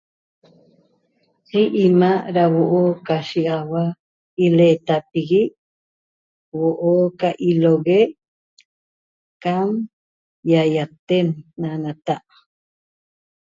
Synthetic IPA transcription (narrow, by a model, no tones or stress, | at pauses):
hiʔimaɾawoʔokaʃiawa | ilet̪apiɡi | woʔokaʔiloɣe | kam | jajat̪enːanat̪aʔ